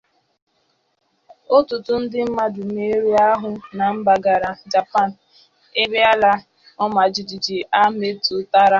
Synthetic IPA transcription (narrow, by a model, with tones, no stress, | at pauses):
o˦tʊ˨tʊ˦n̩˦dɪ˦m̩˦ma˦dʊ˨m˦e˦ɾi˦a˦ɦʊ˨na˨m̩˦ba˨ɡa˨ɾa˨d͡ʒa˨pa˦˨n̩˨ | e˦be˦a˦la˦ | ɔ˦ma˨d͡ʒi˨d͡ʒi˨d͡ʒi˨a˦me˦tʊ˨ta˦ɾa˦